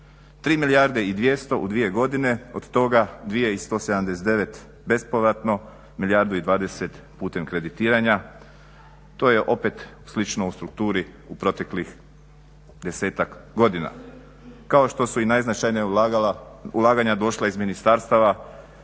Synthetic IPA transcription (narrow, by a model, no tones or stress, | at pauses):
t̪ɾiːmilijaɾd̪e̞id̪ʋje̞st̪oʔṵd̪ʋije̞ɡo̞d̪ine̞od̪t̪o̞ɡad̪ʋije̞ist̪o̞ːsed̪amd̪e̞set̪e̞ʋe̞t̪ | be̞spoʋɾat̪no̞ | miljaɾd̪uid̪ʋaːd̪e̞se̞t̪ | puːt̪e̞mkɾe̞d̪it̪iːɾaɲa | t̪o̞jeʔo̞pe̞t̪ | slit͡ʃnoust̪ɾukt̪uːɾiupɾo̞t̪e̞klix | d̪e̞se̞ːt̪akɡo̞d̪ina̰ | kao̞ʃt̪o̞suinajznat͡ʃajni | ulˠaːɡaɲad̪o̞ʃlˠaizminist̪aɾst̪aʋa